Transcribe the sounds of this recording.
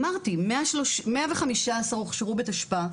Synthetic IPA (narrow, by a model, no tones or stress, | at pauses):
maʁt̪imeaʃloʃmeaveχamiʃaːsaʁoχʃeʁubet̪aʃpa